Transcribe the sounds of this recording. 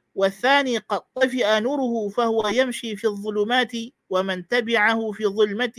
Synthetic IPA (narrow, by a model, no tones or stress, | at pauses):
waθːaːniːqɑd̪̚t̪ˤːɑfɪʔanuːɾʊhʊfahʊwajamʃiːfiːɑðˤːʊlʊːmaːt̪ɪ | wamant̪abɪʕahʊfiːðˤʊlmat̪